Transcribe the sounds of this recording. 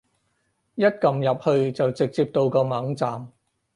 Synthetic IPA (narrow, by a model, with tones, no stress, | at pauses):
jɐ˥t̚kɐ˨mjɐ˨p̚hɵ˧ɥt͡sɐ˨wt͡sɪ˨k̚t͡siː˧p̚t̪o˧wkɔː˧mɐ˨˥ŋt͡saː˨m